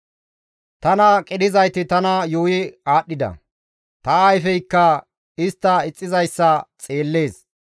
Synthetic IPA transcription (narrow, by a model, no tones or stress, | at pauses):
t̪ɐnɐkʼɪd̪ɪzɐjt̪ɪt̪ɐnɐjuwɪaːɗːɪd̪ɐ̰ | t̪ɐːjfɛjkːɐ | ɪst̪ːɐɪt͡sʼːɪzɐjsːɐt͡sʼeːlːe̞ːs